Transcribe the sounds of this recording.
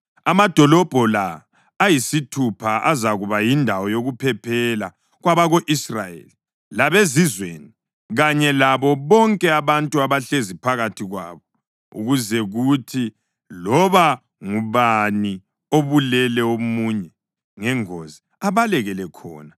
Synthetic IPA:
amad̥ʱɔlɔb̥ʱɔlaː | jisitʰupʰaʔazaɣuβajindʱawɔjoɣupʰɛpʰɛla̰ | ɣwaβaɣoʔisra̰jḛli | laβezizwḛni | ɣaɲɛlaβɔβɔŋkʼɛaβantʼuaβaɬezipʰaɣatʰiɣwa̰ːβɔ | ṵɣuzɛɣutʰi | lɔβa | ŋuβani | oβulɛlɛomuːɲɛ | ŋɛŋozi | aβalɛɣɛlɛkʰɔ̰ːna

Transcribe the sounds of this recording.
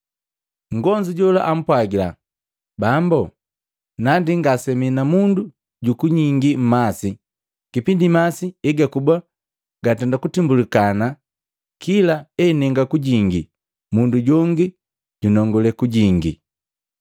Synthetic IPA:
ŋ̩ɡɔɲd͡ʒiɟɔla̰ʔam̩pwaɡila̰ | bambɔ | nandiŋɡasɛminamundu | ɟukuɲiŋɡim̩masi | kipindimasiɛɡakuba | ɡatɛndakutimbulikana | kʰilaɛnɛŋɡakuɟiŋɡi | ɟmunduɟɔŋɡi | ɟunɔŋɡɔlɛkuɟiŋɡḭ

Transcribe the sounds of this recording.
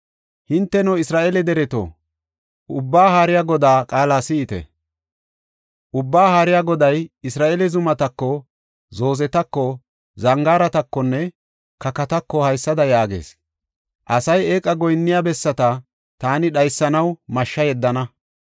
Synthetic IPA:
hɪnt̪ːɛnɔɪsɾaːʔɛlɛd̪ɛɾɛt̪o̰ː | ʔʊbːaːɦaːɾɪjaɡɔd̪aːkʼaːlaːsɪːt̪ɛ̰ | ʔʊbːaːhaːɾɪjaːɡɔd̪ɐjɪsɾaːʔɛlɛzʊmɐt̪ɐkːɔ | zo̞ːzɛt̪ɐkːɔ | zɐŋɡaːɾɐt̪ɐkːɔnːɛ | kɐkɐt̪ɐkːɔhɐjsːɐd̪ɐjaːɡḛːs | ʔɐsɐjeːkʼɐɡɔjnːɪjabɛsːɐt̪ɐ | t̪aːnɪɗɐjsːɐnɐwmɐʃːɐjɛd̪ːɐnɐ

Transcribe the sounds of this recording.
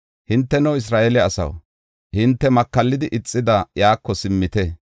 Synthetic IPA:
hɪnt̪ːɛnɐwɪs̬ɾaːʔɛlɛɐsɐ̰w | hɪnt̪ːɛmɐkːɐlːɪd̪ɪʔɪt͡sʼːɪd̪ɐjaːkːɔsɪmːɪt̪ɛ

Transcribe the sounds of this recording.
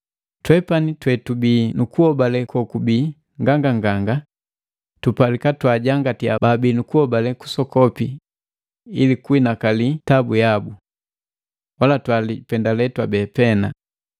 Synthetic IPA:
twɛpanitwɛtubiːnukuhɔbalɛkɔkubiː | ŋɡaŋɡaŋɡaŋɡa | tupalikatwaɟaŋɡatiababiːnukuhɔbalɛku̥sɔkɔpi | ilikuinakalitabujabu | walatwalipɛndalɛtwabɛpɛna

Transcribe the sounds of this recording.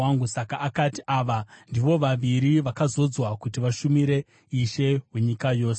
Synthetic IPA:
aŋɡusakaakatiʔaːʋandiʋo̞ʋaʋiɾiʋakazo̞d͡zwakutiʋaʃumiɾe̞ | iʃe̞weɲikajo̞ːse

